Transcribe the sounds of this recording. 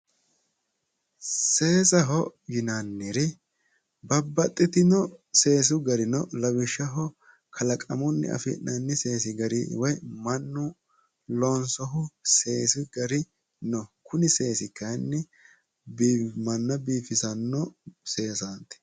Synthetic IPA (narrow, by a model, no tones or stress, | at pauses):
se̞ːsɐɦɔjɪnanːɪɾɪ | bɐbːɐt̪ʼːɪt̪ɪnɔse̞ːs̬ʊɡɐɾɪnɔlɐwɪʃːɐɦɔ | kʰɐlɐkʼɐmʊnːɪ̰ɐ̰fɪ̰nʔɐnːɪse̞ːsɪɡɐɾɪ̰wɔjmɐnːʊ | lɔːnsɔɦʊse̞ːsɪɡɐɾɪ | nɔkʰʊnɪse̞ːsɪkːɐnːɛ | bmɐnːɐbiːfɪsɐnːɔse̞ːsant̪ɪ̥